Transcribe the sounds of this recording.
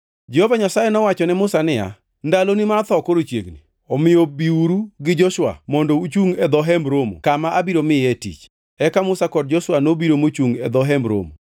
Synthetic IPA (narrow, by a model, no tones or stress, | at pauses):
d͡ʒɛhovaɲasajenɔwat͡ʃɔnɛmʊsanɪja̰ | ndalonimart̪ɔkoɾot͡ʃjḛɡni | ɔmɪjobiuɾuɡɪd͡ʒɔʃwa̰mɔndout͡ʃuŋɛd̪ɔɦɛmɾomo̰kamaʔabiɾomɪɛtḭt͡ʃ | ɛkamʊsakɔd̚d͡ʒɔʃwanobiɾomot͡ʃuŋɛ̰d̪ɔɦɛmbɾo̰mo